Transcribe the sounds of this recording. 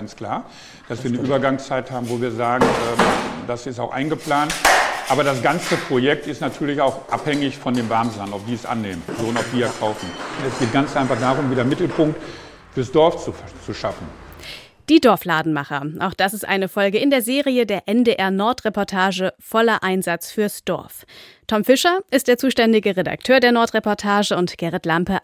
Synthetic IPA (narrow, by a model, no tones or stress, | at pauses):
ant͡skl̥aːɐ | d̥asv̥iːɐnəʔyːbɐɡaŋst͡saɪthaːbm̩voːviːɐzaːɡŋ̩ʔɛːmdasɪstaʊxʔa̰ɪnɡəpl̥aːntʔaːbɐɾas̬ɡ̥ant͡səpʁ̥ojɛk̚tɪstnatʰyːɐlɪçaʊxʔa̰phɛŋɪçfɔndeːmvaɐmzanɔpd̥iːsʔa̰nːeːmənzoːʊntaʊpd̥iːiɐkʰaʊfn̩ɛsɡ̥eːt̚ɡ̥ant͡sʔaɪnfaχd̥aːʁʊmviːdɐmɪtl̩pʰʊŋk̚t | fyːɐsd̥ɔɐft͡sut͡suʃafn̩ | d̥iːdɔɐflaːdn̩maχɐʔaʊxd̥asɪstʔa̰ɪnəfɔlɡəɪndeːɐzeːʁiədeːɐʔɛndeːʔɛɐnɔɐtʁ̥epɔɐtʰaːʒəfɔlɐʔaɪnzat͡sfyːɐsd̥ɔ̰ɐftʰɔmfɪʃɐʔɪst̚d̥eːɐt͡suːʃtɛndɪɡəʁeda̰ktʰøːɐdeːɐnɔɐtʁ̥epɔɐtʰaːʒəʊntɡ̥ɛʁɛtlampə